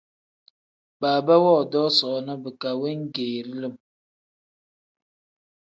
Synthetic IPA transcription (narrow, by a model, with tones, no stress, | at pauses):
baː˨bə˦wɔ˦˨dɔ˦sɔ˨nə˦bə˨ka˨we˦ŋ̩˦ɡeː˨ɾi˦lə˦˨m